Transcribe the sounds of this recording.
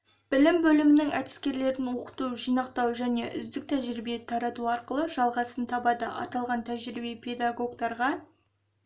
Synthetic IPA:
b̥ɪlɪmbɵlɪmɪnɪŋæ̰t̪ɪ̥skʲe̞ɾle̞ɾɪnwo̞qə̥t̪uwʒijnɑqt̪ɑwʒæne̞ʔʏ̰zd̪ɪk̚t̪ʰæʒɾibe̞t̪ʰɑɾɑt̪uɑɾqəlˠəʒɑlˠʁɑsənt̪ʰɑbɑd̪əʔɑ̰t̪ɑlˠʁɑnt̪ʰæʒɾibepʰe̞d̪ɑɡo̞ɡt̪ɑɾʁɑ

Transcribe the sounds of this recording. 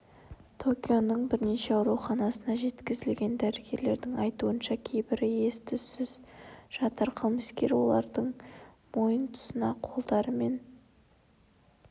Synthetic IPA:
t̪ʰo̞kʲijo̞nəɴbɪɾne̞ʃeɑʊɾuχɑnɑsənɑʒe̞t̪kʲɪzɪlɡʲe̞nd̪æɾɪɡʲe̞ɾle̞ɾd̪ɪŋɑjt̪uənʃɑkʲʰe̞jbɪɾje̞st̪ʰʏsɪzʒ̥ɑt̪ɑɾqʰəlˠməskʲe̞ɾwo̞̰lˠɑɾd̪əɴ | mo̞jənt̪ʰʊ̥sənɑqʰo̞lˠd̪ɑɾəme̞n

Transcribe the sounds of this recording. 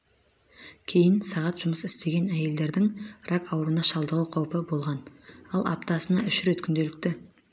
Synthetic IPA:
kʲʰe̞jɪnsɑʁɑt̪ʒ̥ʊməsɪst̪e̞ɡʲe̞næje̞ld̪e̞ɾd̪ɪŋrɑkɑwəɾənɑʃɑlˠd̪əʁəqʰɑwpəbo̞lˠʁɑnɑlˠɑ̰p̚t̪ɑsənɑʏʃɾe̞t̪kʲʰʏnd̪e̞lɪk̚t̪ɪ

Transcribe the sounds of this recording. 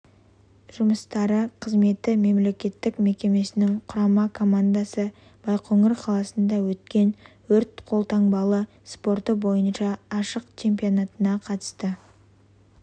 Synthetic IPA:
ʒ̥ʊməst̪ɑɾəqʰəzme̞t̪ɪme̞mle̞kʲe̞t̪ːɪkme̞kʲe̞me̞sɪnɪŋqʰʊɾɑmɑkʰo̞mand̪asə | b̥ɑjqʰɵŋɪɾqʰɑlˠɑsənd̪ɑwɵt̪̚kʲe̞n | wɵɾt̪qʰo̞lˠt̪ɑŋbɑlˠə | spo̞rt̪əbo̞jənʃɑːʃəqt͡ʃʰe̞mpio̞nat̪ənɑqʰɑt̪ə̥st̪ə

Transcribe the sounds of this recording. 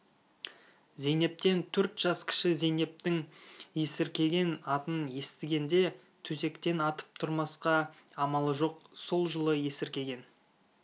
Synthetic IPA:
ze̞jne̞p̚t̪e̞nt̪ʰɵɾt̪ʒ̥ɑskʲʰɪ̥ʃɪze̞ne̞p̚t̪ɪŋje̞sɪɾkʲe̞ɡʲe̞nɑt̪ənje̞st̪ɪɡʲe̞nd̪e̞ | t̪ʰɵze̞kt̪e̞nɑt̪ə̥p̚t̪ʰʊɾmɑsqɑɑmɑlˠəʒo̞q̚so̞lˠʒəlˠəje̞sɪɾkʲe̞ɡʲe̞n

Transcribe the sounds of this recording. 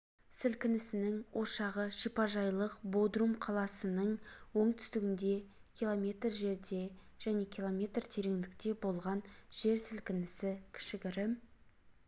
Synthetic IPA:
sɪlkʲɪnɪsɪnɪŋwʔo̞ʃɑʁəʃipɑʒɑjlˠəqbo̞d̪rumqʰɑlˠɑsənəɴwo̞ɴt̪ʰʏ̥st̪ɪɡʲɪnd̪e̞ | kʲʰilˠo̞mʲe̞t̪rʒe̞ɾd̪e̞ | ʒ̥æne̞kʲʰilˠo̞mʲe̞t̪rt̪ʰe̞ɾe̞ŋd̪ɪkt̪e̞bo̞lˠʁɑnʒ̥e̞ɾsɪlkʲɪnɪsɪkʲʰɪ̥ʃɪɡʲɪɾɪ

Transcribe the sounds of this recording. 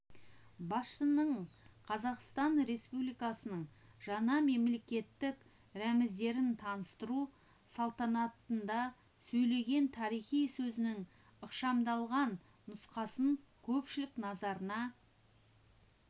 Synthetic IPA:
bɑsʃənəɴqʰɑzɑqst̪ɑnɾe̞spublijkɑsənəɴʒ̥ɑnɑme̞mle̞kʲe̞t̪ːɪk | ɾæmɪzd̪e̞ɾɪnt̪ʰɑnəst̪əɾu | sɑlˠt̪ɑnɑt̪ːənd̪ɑ | sɵjle̞ɡʲe̞nt̪ʰɑɾijχijsɵzɪnɪŋ | əqʃɑmd̪ɑlˠʁɑnː | ʊsqɑsəɴ | kʲʰɵpʃɪlɪknɑzɑɾənɑ

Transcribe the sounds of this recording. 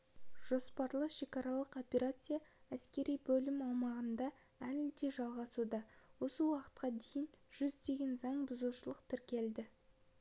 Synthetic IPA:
ʒ̥o̞spɑɾlˠəʃe̞kɑɾɑlˠəqo̞pʲe̞ɾat̪sɨjaæskʲe̞ɾijbɵlɪmɑwmɑʁənd̪ɑ | ælɪd̪e̞ʒɑlˠʁɑsud̪ɑwo̞səwɑqə̥t̪̚qɑd̪ejɪnʒ̥ʏzd̪e̞ɡʲe̞nzɑɴbʊzuʃəlˠəqt̪ʰɪɾkʲe̞ld̪ɪ

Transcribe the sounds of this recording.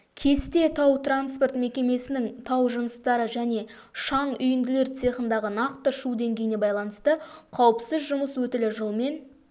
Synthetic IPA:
kʲʰe̞st̪e̞t̪ʰɑwt̪ransport̪me̞kʲe̞me̞sɪnɪŋt̪ʰɑwʒənəst̪ɑɾəʒæne̞ | ʃɑɴʏjɪnd̪ɪle̞ɾt̪se̞χənd̪ɑʁənɑqt̪əʃud̪e̞ŋɡʲejɪne̞bɑjlˠɑnəst̪əqʰɑwəpsəzʒʊməswɵt̪ɪlɪʒəlˠme̞n

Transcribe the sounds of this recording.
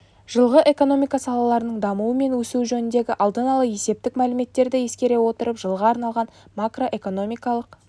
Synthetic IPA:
ʒ̥əlˠʁəʔe̞ko̞no̞mijkɑsɑlˠɑlˠɑɾənəɴd̪ɑmuwəme̞nwɵsuʒɵnɪnd̪e̞ɡʲɪʔɑlˠd̪ənɑlˠəje̞se̞p̚t̪ɪkmælɪme̞t̪ːe̞ɾd̪ɪje̞skʲe̞ɾe̞wo̞t̪əɾəpʒəlˠʁəɑɾnɑlˠʁɑnmakro̞ʔe̞ko̞no̞mijkɑlˠəq

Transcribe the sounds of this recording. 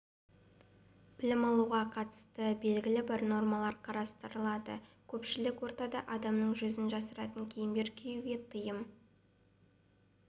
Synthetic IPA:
b̥ɪlɪmɑlˠuʁɑqʰɑt̪ə̥st̪əbe̞lɡʲɪlɪbɪɾno̞ɾmɑlˠɑɾqʰɑɾɑst̪əɾəlˠɑd̪ə̰kʲʰɵpʃɪlɪkwo̞ɾt̪ɑd̪ɑʔɑd̪ɑmnəɴʒɵzɪnʒɑsəɾɑt̪əŋkʲʰe̞jɪmbe̞ɾkʲʰejuɡʲe̞t̪ʰəjəm

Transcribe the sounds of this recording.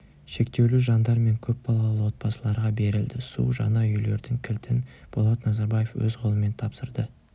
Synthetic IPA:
ʃe̞kt̪e̞wluʒɑnd̪ɑɾme̞ŋkʲʰɵp̚bɑlˠɑlˠɑlˠəwot̪̚pɑsəlˠɑɾʁɑbe̞ɾɪld̪ɪsṵʒɑ̰nɑʏjle̞ɾd̪ɪŋkʲʰɪlt̪ʰɪnb̥olˠɑt̪nɑzɑɾbɑje̞fwɵ̰zqʰo̞lˠəme̞nt̪ʰɑpsəɾd̪ə

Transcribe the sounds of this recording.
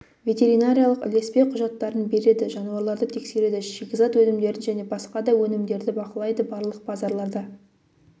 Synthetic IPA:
vʲe̞t̪ʲe̞ɾijnaɾʲijalˠəqɪ̰le̞spe̞qʰʊʒɑt̪ːɑɾənbe̞ɾe̞d̪ɪʒɑnuɑɾlˠɑɾd̪ət̪ʰe̞kse̞ɾe̞d̪ɪʃekʲɪzɑt̪wɵnɪmd̪e̞ɾɪnʒæne̞bɑsqɑd̪ɑwɵnɪmd̪e̞ɾd̪ɪbɑqəlˠɑjd̪əbɑɾlˠəq̚pʰɑzɑɾlˠɑɾd̪ɑ

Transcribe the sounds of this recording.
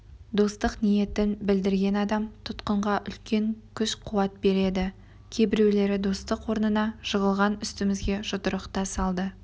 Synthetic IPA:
d̪o̞st̪əqnije̞t̪ɪnbɪld̪ɪɾɡʲe̞nɑd̪ɑmt̪ʰʊt̪qəɴʁɑʔʏ̰lkʲe̞ŋkʲʰʏʃqʰuɑt̪̚be̞ɾe̞d̪ɪ | kʲʰe̞bɪɾe̞wle̞ɾɪd̪o̞st̪əqwo̞ɾnənɑʒ̥əʁəlˠʁɑnʏst̪ɪmɪzɡʲe̞ʒʊt̪əɾəqt̪ɑsɑlˠd̪ə

